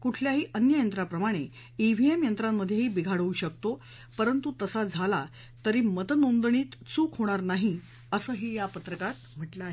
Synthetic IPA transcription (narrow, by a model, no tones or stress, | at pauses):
kuʈʰljaɦiːʔənjəjənt̪ɾapɾəmaɽ̃e | iʋ̤ʱiemjənt̪ɾamːəd̪ʱjeɦiːbiɡʱaɽəuːɕək̚t̪o | pəɾənt̪ut̪əsad͡zʱala | t̪əɾiːmət̪ənond̪ɳ̃iːt̪t͡suːkɦoɽ̃aɾnaɦi | əsəːɦiːjapət̪ɾəkat̪m̤əʈlaːɦe